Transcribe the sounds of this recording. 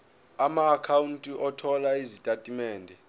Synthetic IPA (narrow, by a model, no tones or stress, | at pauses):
amaːkʰawuntʼiʔɔtʰɔlaizitʼatʼimɛːndʱɛ